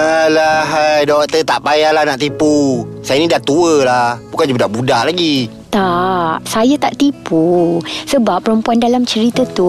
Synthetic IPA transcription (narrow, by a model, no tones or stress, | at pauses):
əlaɦajdɔk̚t̪ət̪aʔpajalahnaʔt̪ipusajanidat̪uəlahbukand͡ʒəbudaʔbudaʔlaɡi | t̪aʔsajat̪aʔt̪ipusəbapːəɾəmpuandalamt͡ʃəɾit̪ət̪u